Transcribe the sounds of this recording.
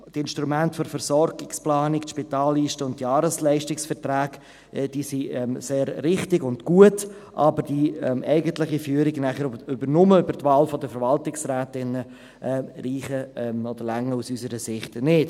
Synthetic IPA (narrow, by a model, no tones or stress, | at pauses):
tɪnʃtɾumæntfɔɾfəɾsɔɾɡɪksplɑːnɪktʃpitaːlːiːʃtəʊnttjɑːɾəslɛɪʃtɪksfɛɾtɾaːɡ | d̥iːsiɛmseːɾvɪχtɪɡʊndɡ̥uət | ʔɑbəɾd̥iɛmɛɪɡəntlɪχifyːəɾɪɡnæχəɾʏbəɾnʊməøbəɾtvaːlfɔdəfəɾvɑltɪksɾæːtɪnə | ʔɛɾiːχəɛmɔd̥̪əɾlæŋːəusysəɾəsɪχtnɪt